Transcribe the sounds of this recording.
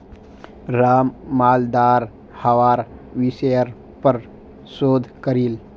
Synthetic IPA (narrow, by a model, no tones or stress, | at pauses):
ɾaːmːaːld̪aːɾ | həʋaːɾʋisəjəɾ | pəɾ | soːd̪ʱkəɾiːl